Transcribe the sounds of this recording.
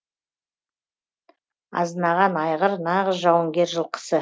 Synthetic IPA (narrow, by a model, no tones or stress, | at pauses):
ɑ̰znɑʁɑnɑjʁəɾnɑʁəzʒɑwəŋɡʲe̞ɾʒəlˠqʰə̥sə